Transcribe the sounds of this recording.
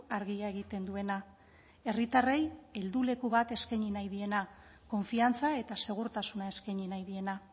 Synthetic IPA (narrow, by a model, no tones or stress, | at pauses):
aɾɣiae̞ɣ̞it̪e̞nd̪ue̞na | e̞rit̪are̞je̞ld̪ule̞kuβat̪e̞skajɲinajðie̞na | ko̞ɱfiant͡sae̞t̪ase̞ɣ̞uɾt̪asunae̞skajɲinajðie̞na